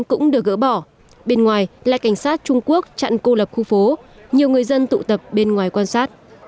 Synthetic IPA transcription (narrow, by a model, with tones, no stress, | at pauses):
kʊ̰˧˥ŋ͡mɗɨ˨˩ək̚ɣə̰ː˧˥ɓɔ˧˩ | ɓe˧nŋwaː˨˩jla̰ː˧˨jka˧˩ŋ̟saː˦˥t̚t͡ɕʊ˧ŋ͡mku˦˥ək̚t͡ɕa̰˧˨nko˧lə˨˩p̚xu˧fo˨˦ɲi˨˩əwŋɨ˨˩əjzə˧nt̪ṵ˧˨t̪ə˨˩p̚ɓe˧nŋwaː˨˩jkwaː˧nsaː˦˥t̚